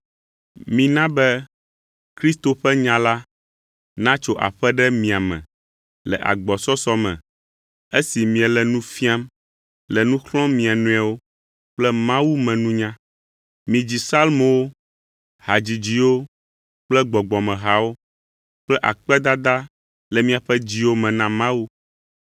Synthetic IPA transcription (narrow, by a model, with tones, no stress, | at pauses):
mĩ˨nã˦bɛ˦ | kɾi˦st̪o˨ɸɛ˦ɲã˨la˦ | nã˦t͡ʃo˦ʔa̰˨ɸɛ˦ɖɛ˦mĩ˨a˨mɛ̰̃˨ | lɛ̰˨ʔa̰˨ɡ͡bɔ˨sɔ˦sɔ˦mɛ̰̃˨ | e˦si˨mĩ˨ɛ˨lɛ˨nũ˦fi˦a˦m | lɛ˨nũ˦xlɔ̃˦mĩ˨a˨nũ˦a˨wo˦ | k͡plɛ˦mã˦wu˦mɛ̃˨nũ˦ɲã˦ | mĩ˨d͡ʑi˨sa˦lmõ˨wo˦ | ha˨d͡ʑi˨d͡ʑi˨wo˦ | k͡plɛ˦ɡ͡bɔ˨ɡ͡bɔ˨mɛ̃˨ɦa˨wo˦ | k͡plɛ˦ʔa˨k͡pɛ˦d̪a˦d̪a˦ | lɛ˨mĩ˨a˨ɸɛ˦d͡ʑi˦wo˦mɛ̃˨nã˦mã˦wu˦